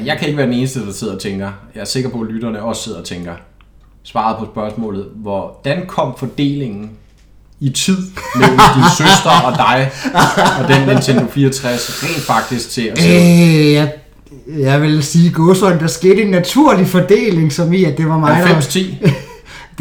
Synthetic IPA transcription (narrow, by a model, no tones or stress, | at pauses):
jɑ̈ɪkʰæeɡ̥əʋæɐd̥ene̝ːnəsd̥əd̥ɑ̈se̝ð̞̰ˠɒt͡sʰeŋɡ̥ɐjɑ̈æɐse̝ɡ̥ɐpʰɒ̽lyɾ̥ɐnəɒ̽sse̝ð̞̰ˠɒ̽t͡sʰeŋɡ̥ɐ | sʋɑ̈ːð̞̩ˠpʰɒ̽sb̥ɶɐsmɔ̰̽ːlð̩ˠʋɒd̥ænkʰɒ̽m̰fɒ̽d̥e̝̰ːle̝ŋn̩ | it͡sʰið̰ˠmel̰m̩d̥insøsd̥ʁɐɒ̽d̥ɑ̈ɪ | ɒ̽d̥enent͡sʰend̥ofiːɐt͡sʰʁasʁɛ̰ːnd̥fɑ̈ɡ̥̚d̥isɡ̥̚t͡sʰe̝æ | ja | jɑʋe̝lsiːɡ̥ɔsɒ̽ɪnd̥ɑ̈ɐsɡ̥e̝ːɾ̥əenːæt͡sʰuɐ̰lifɒ̽d̥e̝̰ːle̝ŋsɒ̽miæd̥e̝ʋɑ̈mɑ̈ɪest͡sʰḭː